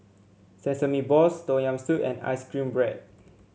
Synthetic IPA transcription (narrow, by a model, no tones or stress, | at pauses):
sɛ̃nsəmibɔstõjãmstutɛ̰̃na̰ɪskɹĩmbɹɛd̚